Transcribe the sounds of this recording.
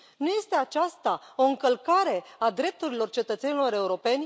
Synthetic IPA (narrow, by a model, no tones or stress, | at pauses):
nuje̞st̪e̞at͡ʃast̪ao̞ɨŋkəlkaɾe̞ad̪ɾe̞p̚t̪uɾilo̞rt͡ʃe̞t̪ət̪se̞nilo̞ɾe̞uɾo̞pe̞nʲ